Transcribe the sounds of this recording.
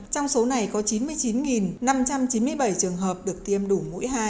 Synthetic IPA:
t͡ɕɔ˧wŋ͡mso˨˦na˨˩jkɔ˨˦t͡ɕi˨˦nmɨ˧əjt͡ɕi˨˦nŋi˨˩nna˧mt͡ɕa˧mt͡ɕi˨˦nmɨ˧əjɓə˧˩jt͡ɕɨ˨˩əŋɦəː˨˩p̚ɗɨ˨˩ək̚t̪i˧əmɗu˧˩mṵ˧˥jɦaː˧j

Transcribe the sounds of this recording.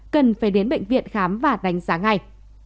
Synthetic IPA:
kə˨˩nfaː˧˩jɗe˨˦nɓə̰˧˨ŋ̟vḭ˧˨ənxaː˨˦mvaː˨˩ɗa˨˦jŋ̟zaː˨˦ŋːa˧˩j

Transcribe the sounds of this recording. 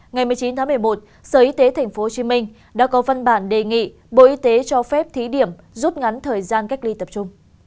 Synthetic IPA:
ŋa˨˩jmɨ˨˩əjt͡ɕi˨˦nt̪ʰa˨˦mɨ˨˩ə˩jmo˨˩t̚ | səː˨˩ʔi˧˦t̪e˨˦t̪ʰa˨˩jŋ̟fo˨˦˧t͡ɕi˨˦mï˧ŋ̟ | ɗa̰ː˧˥kɔ˨˦va˧nɓaː˧˩nɗe˨˩ŋḭ˧˨ | ɓo̰˧˨ʔi˧˦t̪e˨˦t͡ɕɔ˧fɛ˦˥p̚t̪ʰi˨˦ɗi˧˩əm | zu˦˥t̚ŋa˨˦nt̪ʰəː˨˩jzaː˧nka˦˥jk̚li˧t̪ə˨˩p̚t͡ɕʊ˧ŋ͡m

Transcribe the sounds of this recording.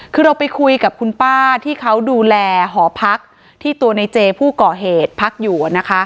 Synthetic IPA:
kʰɯː˧ɾa˧wpa˧jkʰu˧jka˨˩p̚kʰu˧npaː˥˩t̪ʰiː˥˩kʰa˦˥wduː˧lɛː˧ɦɔː˩˦pʰa˦˥k̚ | t̪ʰiː˥˩t̪u˧ɐna˧jt͡ɕeː˧pʰuː˥˩kɔː˨˩ɦeː˨˩t̪̚pʰa˦˥k̚juː˨˩a˨˩na˦˥kʰa˦˥ʔ

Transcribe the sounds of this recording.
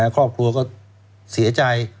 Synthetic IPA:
ɛ˦˥kʰɾɔː˥˩p̚kʰu˧ɐkɔː˥˩ | si˨˩˦ɐt͡ɕa˧j

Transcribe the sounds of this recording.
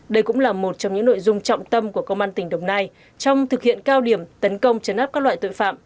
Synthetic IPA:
ɗə˧jkʊ̰˧˥ŋ͡mlaː˨˩mo˨˩t̚t͡ɕɔ˧wŋ͡mɲɨ̰˧˥ŋno̰˧˨jzʊ˧ŋ͡mt͡ɕɔ̰˧˨wŋ͡mt̪ə˧mku˧˩əkə˧wŋ͡mʔaː˧nt̪ï˨˩ŋ̟ɗə˨˩wŋ͡mnaː˧j | t͡ɕɔ˧wŋ͡mt̪ʰɨ˨˩k̚hḭ˧˨ənkaː˧wɗi˧˩əmt̪ə˨˦nkə˧wŋ͡mt͡ɕə˨˦nʔa˦˥p̚kaː˦˥lwaː˧˨jt̪o̰˧˨jfa̰ː˧˨m

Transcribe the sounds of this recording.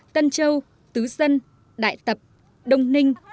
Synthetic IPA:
t̪ə˧nt͡ɕə˧w | t̪ɨ˨˦zə˧n | ɗa̰ː˧˨jt̪ə˨˩p̚ | ɗə˧wŋ͡mnï˧ŋ̟

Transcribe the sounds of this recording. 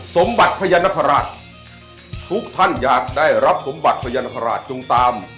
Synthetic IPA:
so˨˩˦mba˨˩t̪̚pʰa˧ja˧nːa˧˥kʰa˧ɾaː˨˩t̪̚ | t̪ʰu˦˥k̚t̪ʰa˥˩njaː˨˩k̚daː˥˩jɾa˦˥p̚so˩˦mba˨˩t̪̚pʰa˧ja˧nːa˧˥pʰa˧ɾa̰ː˨˩t̪̚t͡ɕo˧ŋt̪aː˧m

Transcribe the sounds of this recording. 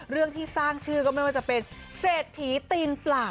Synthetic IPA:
ɾɯ˥˩əŋt̪ʰiː˥˩saː˥˩ŋt͡ɕʰɯː˥˩kɔː˥˩ma˥˩jwaː˥˩t͡ɕa˨˩pe˧nseː˨˩t̪ʰːiː˩˦t̪iː˧nplaː˨˩

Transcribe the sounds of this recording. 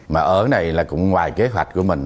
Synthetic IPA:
maː˨˩ʔəː˧˩˦na˨˩jlaː˨˩kʊ̰˧˥ŋ͡mŋwaː˨˩jke˨˦ɦwa˨˩k̟̚ku˧˩əmï˨˩ŋ̟

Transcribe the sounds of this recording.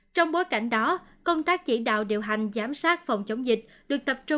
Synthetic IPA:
t͡ɕɔ˧wŋ͡mɓo˨˦jka˧˩jŋ̟ɗɔ˨˦kə˧wŋ͡mt̪aː˦˥k̚t͡ɕi˧˩ɗa̰ː˧˨wɗi˨əwɦa˨˩jŋ̟zaː˨˦msaː˦˥t̚fɔ˨˩wŋ͡mt͡ɕə˨˦wŋ͡mzï˨˩k̟̚ | ɗɨ˨˩ək̚t̪ə˨˩p̚t͡ɕʊ˧

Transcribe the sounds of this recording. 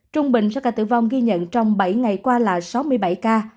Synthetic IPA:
t͡ɕʊ˧ŋ͡mɓï˨˩ŋ̟sa̰˧˥kaː˧˩t̪ɨ̰˧˩vɔ˧wŋ͡mɣi˧ɲə̰˧˨nt͡ɕɔ˧wŋ͡mɓa˧˩jŋa˨˩jkwaː˧laː˨˩sa˨˦wmɨ˧əjɓa˧˩jkaː˧

